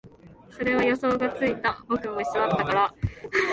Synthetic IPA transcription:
so̞ɾe̞βajo̞so̞ːɡat͡sɨit̪abo̞kɯ̟moi̥soat̪ːakaɾa

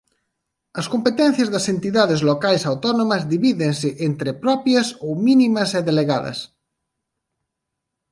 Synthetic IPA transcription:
ɐskompet̪ɛ̃n̟θjɐzðɐsent̪iðaðezlokajsawt̪ɔnõmɐzðiβiðeŋsɪʔent̪ɾepɾɔpjɐsowminimɐseðeleɣaðɐ̰s

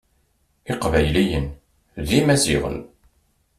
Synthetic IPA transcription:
iqvæjlijən | ðimæzḭʁə̰n

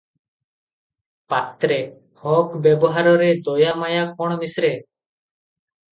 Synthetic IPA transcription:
pat̪ɾɛ | hɔkbjɛbɔɦaɾɔɾɛd̪ɔjamajakɔɽ̃misɾɛ

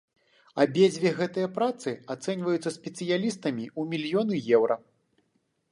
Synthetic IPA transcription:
ɐbʲed͡zʲvʲɛɣɛt̪ɐjɐpɾat̪sɨat̪sɛnʲvɐjut̪sːɐsʲpʲɛt̪sɨjalʲist̪ɐmʲiumʲilʲjɔnɨjɛwɾɐ

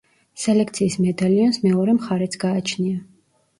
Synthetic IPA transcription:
sɛlɛk̚ʰt̪sʰiːsmɛd̪aliɔnsmɛɔɾɛmχaɾɛt̪sʰɡ̥aːt͡ʃʰnia

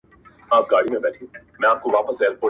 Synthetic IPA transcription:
aːp̚ɡaːɽimẽbɛːʈʰĩ | mɛ̃ːaːp̚koʋaːpəsɛːlpoː

